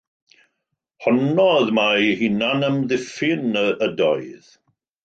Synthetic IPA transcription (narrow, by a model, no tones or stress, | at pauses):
hɔnɔðmajhinanəmðɪfɪnəʔədɔɨð̥